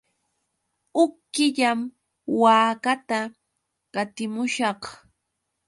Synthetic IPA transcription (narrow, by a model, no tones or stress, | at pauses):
ʊkːɪʎam | waːkat̪a | kat̪ɪmʊʃɑχ